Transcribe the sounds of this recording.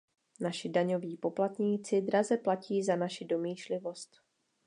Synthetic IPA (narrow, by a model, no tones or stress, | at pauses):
naʃɪdaɲo̞viːpo̞plat̪ɲiːt͡sɪdɾazɛplaciːzanaʃɪdo̞miːʃlɪvo̞st̪